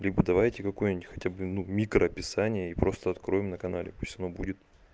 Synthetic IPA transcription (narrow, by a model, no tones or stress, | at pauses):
lʲibəd̪ɐvajtʲɪkɐko̞jnʲɪtʲxɐ̥tʲabɨnumʲikɾəɐpʲɪsanʲɪjəipɾo̞st̪əɐt̪kɾo̞jɪmnəkɐna̰lʲɪ̰puɪsʲɐno̞budʲɪt̪